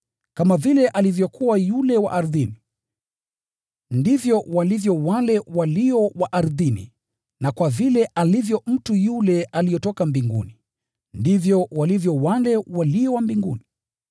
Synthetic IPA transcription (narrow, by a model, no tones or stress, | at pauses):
kamavilɛʔalivjɔkuwajulɛwa̰ʔaɾðini | ndivjɔwalivjɔwalɛwaliɔwaʔaɾðinḭ | nakwavilɛʔalivjɔm̩tujulɛʔalijɔtɔkambiŋɡṵni | ndivjɔwalivjɔwalɛwaliɔwambiŋɡuni